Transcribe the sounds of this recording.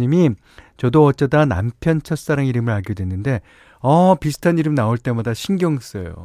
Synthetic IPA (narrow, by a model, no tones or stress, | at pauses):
ɲimi | t͡ɕʌdoʌt͡ɕ͈edana̰mpʰjʌnt͡ɕʰʌs͈aɾaŋiɾɯmɯɭɦaɡijodwe̞nːɯnde̞ | ʌpisʰɯ̥tʰaniɾɯmnaoɭt͈e̞madaɕʰinɡjʌŋs͈ʌjo̰